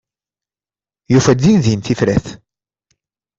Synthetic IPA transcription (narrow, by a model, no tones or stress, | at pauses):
jufæd̪inðinθifɾæθ